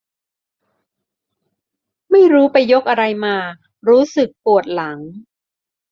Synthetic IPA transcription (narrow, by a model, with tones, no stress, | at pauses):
ma˥˩jɾuː˦˥pa˧jːo˦˥k̚ʔa˧ɾa˧jmaː˧ | ɾuː˦˥sɯ˨˩k̚pu˨˩ət̪̚la˩˦ŋ